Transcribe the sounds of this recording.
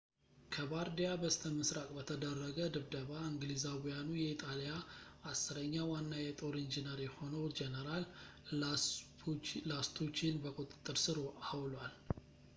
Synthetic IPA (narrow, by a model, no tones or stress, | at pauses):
kʰəbaɾd̪ijabəst̪ʰəmɨsɾakʼbət̪ʰəd̪ərːəɡəd̪ɨβd̪əβaɨŋɡlizawijanujɛit̪ʼalijaasːɨɾəɲːawanːajɛt̪ʼoɾind͡ʒinəɾjɛho̞nəwd͡ʒɛnəɾal | last̪ʰut͡ʃinbəkʼut̪ʼɨ̥t̪ʼːɨɾsɨɾawlwal